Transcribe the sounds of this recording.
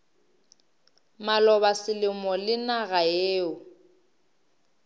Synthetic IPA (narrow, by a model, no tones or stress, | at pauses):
malɔβasɪlɪmɔlɪnaɣaeːʊ